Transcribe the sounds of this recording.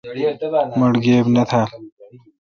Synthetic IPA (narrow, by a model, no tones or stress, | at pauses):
mʊɽɡeːbnat̪ʰa